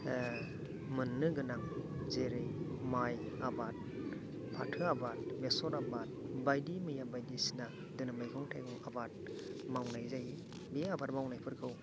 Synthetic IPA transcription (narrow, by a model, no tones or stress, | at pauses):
mɯnːɯɡɯnaŋzeɾɯjmaj | abat̚ | pʰatʰɯabat̚mesɔɾabat̚bajdimɯjabajdisi̥na | dɯnamɯjkʰɔŋtʰajɡɯŋabat̚mawnajzaji | biabat̚mawnajpʰɯɾkʰɯw